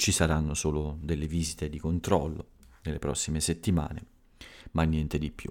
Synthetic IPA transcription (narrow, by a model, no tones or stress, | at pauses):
t͡ʃisaɾanːosoːlod̪elːeviːzit̪ed̪ikont̪ɾɔlːonelːepɾɔ̰sːimeset̪ːima̰ːnḛ | manːjɛnt̪ed̪ipːjṵ